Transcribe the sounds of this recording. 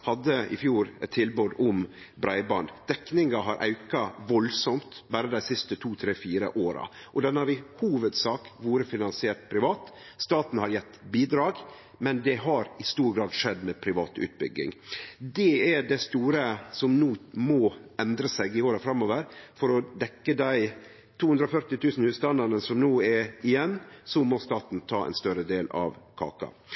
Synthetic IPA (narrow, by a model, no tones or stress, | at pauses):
hɑd̪ːəɪ̰fjuːɾt̪ʰɪlbʉd̪ʊm | bɾæɪbɑnd̪d̪̥ɛknɪŋɑɦɑɾʔɑ̰ʉkɑʋɔlsɔmt̪bæːɾəd̪æɪsɪst̪ət̪ʰuːt̪ʰɾeːfiːɾə̰ʔoːɾɑ̰ | ʔɔd̪ɛnhɑɾɪhuːʋəd̪sɑːkʋuːɾəfɪnɑnsɪɛːʈ̪̚pʰɾɪʋɑːt̪ | st̪ɑːt̪n̩hɑɾjɛt̪ːbiːd̪ɾɑːɡ | mɛnd̪ɛɦɑɾɪst̪uːɾɡɾɑːd̪ʂɛd̪mɛpʰɾɪʋɑ̰ːt̪ʉ̰ːt̪̚bʏ̰ɡːɪ̰ŋd̪ɛɛɖæst̪uːɾəsɔmnuːmɔɛnd̪ɾəsæɪɡɪoːɾəfɾɑmːoːʋəɾfɔɾɔd̪ɛkːəd̪æɪ | t̪ʰuːʉnd̪ɾɔfœɾʈ̪ɪt̪ʰʉːsn̩hʉːst̪ɑnd̪ɑɾnəsɔmnuːɛɾɪjɛnːsɔmɔst̪ɑːt̪n̩t̪ʰɑːɛ̰ɪnst̪œɾəd̪eːlɑ̰ʋkʰɑ̰ːkɑ̰